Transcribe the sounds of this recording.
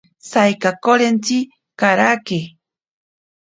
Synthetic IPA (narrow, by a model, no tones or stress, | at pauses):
sajkakoɾent͡ʃi | kaɾake